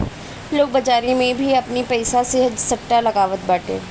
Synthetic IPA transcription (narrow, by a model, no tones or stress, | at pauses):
loːɡ̚bɐd͡ʒaːɾimẽbʱiɐpnipɛːsaseɦəd͡ʒsɐʈːalɐɡaːʋət̪baːʈḛ̃ː